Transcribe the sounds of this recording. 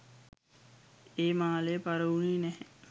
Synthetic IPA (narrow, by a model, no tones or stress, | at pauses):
eːmaːlejəpaɾəuninɛɦɛ